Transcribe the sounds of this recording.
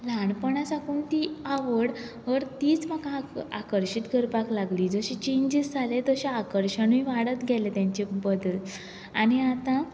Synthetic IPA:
laɳpəɳ̃asakuːnt̪iaʋəɽ | ɦəɾt̪iːt͡sm̤akãakəɾɕit̪ɡʱəɾpaklaɡliːd͡zəɕit͡ɕẽɲd͡ʑisd͡zʱalet̪əɕaakəɾɕəɳĩʋaɽət̪ɡʱɛlet̪jãɲt͡ɕebəd̪əl | añiat̪ã

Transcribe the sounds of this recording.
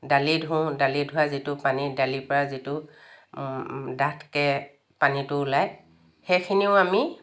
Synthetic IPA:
dalidʱʊ̃dalidʱʊazitʊpanidalipɔɹazitʊ | datʰkɛ | panitʊːlaj | xejkʰiniʊami

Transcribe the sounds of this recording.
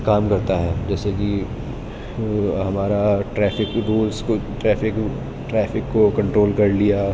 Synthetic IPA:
kaːmkɐɾt̪aɦɛːd͡ʒɛːseki | ɦɐmaːɾaʈɾɛːfɪkɾuːlskoʈɾɛːfʰɪk | ʈɾɛːfɪkːokɐ̃ɳʈɾoːlkɐɾlija

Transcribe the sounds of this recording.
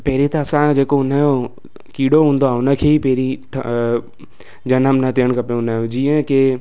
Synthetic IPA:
peːɾit̪aɐsãd͡ʒeːkoʊnajo | kiːɽoɦũːnd̪oaʊnəkʰeipeːɾiʈʰ | d͡ʒɐnəmnət̪eənkɐpẽʊnaod͡ʒiə̃ke

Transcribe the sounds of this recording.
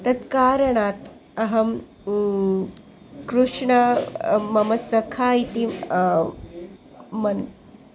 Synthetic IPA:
t̪ɐt̪kaːɾɐɳaːt̪ | ɐɦɐm | kɾuʂɳɐmɐmɐsɐkʰaːit̪i | mɐn

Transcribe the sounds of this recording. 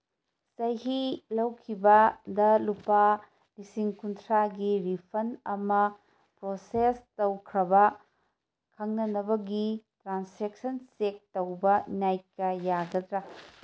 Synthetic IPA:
sɐjɦilɐwkʰibɐdɐlupa | lisiŋkuntʰɾaɡiɾipʰɐnɐmɐ | pɾosestɐwkʰɾɐbɐ | kʰɐŋnɐnɐbɐɡitɾansek̚sɐnsek̚tɐwbɐnajkːɐjaɡɐdɾɐ

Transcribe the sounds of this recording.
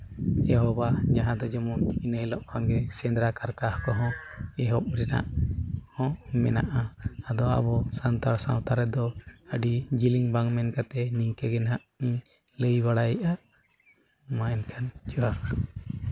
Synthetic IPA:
ɛɦɔbad͡ʒaɦãd̪ɔd͡ʒɔmuinəjlɔʔkʰanɡɛsɛnd̪ɾakaɾkahkɔɦɔ̃ɛɦɔp̚ɾɛna̰ʔhɔ̃mɛna̰ʔaːd̪ɔa̰bɔsant̪aɾsa̰wt̪aɾɛd̪ɔəɖid͡ʒiliŋbaŋmɛnkat̪ɛniŋkɛɡɛnɦaʔiɲ | ləjbaɽajiʔa | maɛnkʰand͡ʒɔwaɾ

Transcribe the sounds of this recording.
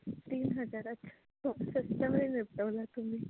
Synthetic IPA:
t̪iːnɦəd͡zaɾətːʃʰḁ | t̪ʰusəsʈ̪əmɾinepʈəʋlat̪um̤i

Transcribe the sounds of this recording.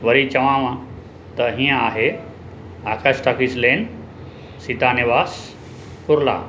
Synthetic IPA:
ʋɐɾit͡ɕɐʋãːʋã | t̪ɐɦĩːãaːɦe | aːkʰasʈakisleːn | sit̪anɪʋaːs | kʊɾla̰ː

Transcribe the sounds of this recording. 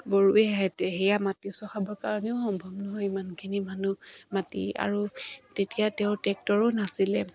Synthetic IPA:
boɹuɛɦɛtɛɦɛjamatisɔxabɔɹkaɹɔnɛʊxɔmbʱɔbnɔɦɔimankʰinimanumatḭa̰ɹutetijatɛʊ̃tɛk̚tɔɹʊnasilɛ

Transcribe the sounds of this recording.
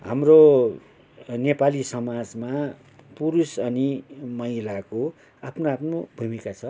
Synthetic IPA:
ɦa̰mro | nepalisʌmad͡zma | puɾusʌnimʌilako | apʰnoapʰnobʱumikat͡sʰʌ

